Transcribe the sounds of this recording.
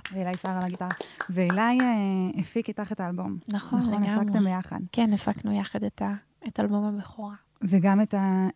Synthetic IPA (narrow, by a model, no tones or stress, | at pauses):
veelajsaʁalaɡitaʁaveːlajeefikitaχetaːlbo̞mnaχoχleneɡafakt̪embejaχa̰dkenefaknujaχadeta | etalbo̞mabeχoʁa | veɡameta